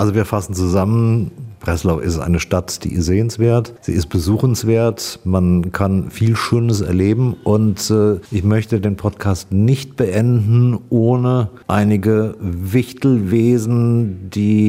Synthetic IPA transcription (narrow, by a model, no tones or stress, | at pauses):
ʔalzoviːɐfasn̩t͡suzamənb̥ʁ̥ɛslaʊfɪstʔa̰ɪnəʃtatd̥ḭːz̥eːənsv̥eːɐtz̥ḭːɪst̚b̥əzuːxn̩sv̥eːɐtmankʰanfiːlʃøːnəsɛ̰ɐleːbm̩ʔʊntːʔɪçmœçtədeːnpʰɔtkʰaːstnɪçt̚b̥əʔɛndn̩ʔoːnəʔaɪnɪɡəvɪçtl̩veːzn̩d̥iː